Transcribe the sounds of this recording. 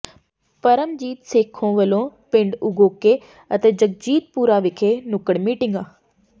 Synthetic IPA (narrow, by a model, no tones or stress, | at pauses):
pɐɾəmd͡ʑiːt̪seːkʰõʋɐlõpɪ̃ɳɖʊɡoːke | ɐt̪eːd͡ʑɐɡ̚d͡ʑiːt̪̚puːɾaʋɪkʰenʊkəɽmiːʈɪ̃ŋɡaː